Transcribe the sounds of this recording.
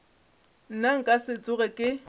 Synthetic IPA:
n̩naŋ̩kʼasɪt͡sʼʊɣɛkʼɪ

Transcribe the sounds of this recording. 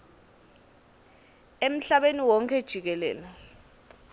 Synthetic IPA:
em̩ɬaɓeniwɔŋkʰɛd̥ʒ̥ʱik̬ɛlɛ̰ːlɛ

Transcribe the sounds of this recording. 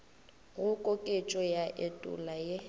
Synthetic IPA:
ɣʊkʼokʼet͡ʃʼɔjaʔetʼʊ̰laje

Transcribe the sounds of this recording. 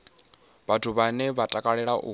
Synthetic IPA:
βatʰuβanɛβatʼakʼaɺɛɺaʔṵ

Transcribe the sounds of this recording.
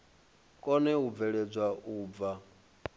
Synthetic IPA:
kʼɔnɛub̪vɛɺɛd͡zʷwauːb̪va

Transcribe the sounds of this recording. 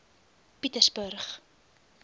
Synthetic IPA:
pitəsbərχ

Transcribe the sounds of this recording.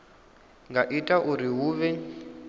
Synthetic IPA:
ŋɡaʔitʼaʔuɾiɦuːβɛ

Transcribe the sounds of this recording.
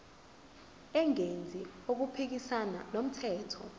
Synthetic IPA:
ɛŋend͡zʱiok̬upʰik̬isananom̩tʰɛːtʰɔ

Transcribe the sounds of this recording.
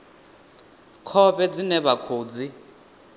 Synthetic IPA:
kʰɔβɛd͡zinɛβakʰoːd͡zi

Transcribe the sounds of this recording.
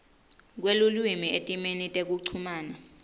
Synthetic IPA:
k̬welulwimiʔetʼimenitʼek̬uǀʰumaːna

